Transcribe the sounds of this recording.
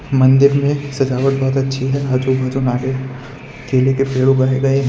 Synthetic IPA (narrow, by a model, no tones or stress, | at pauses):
mɐ̃nd̪ɪɾmẽsɐd͡ʒaːʋəʈbɔːt̪ɐtːʃʰiɦɛaːd͡ʒubʱaːd͡ʒunaːʈe | keːlekepeːɽuɡaːeɡɐe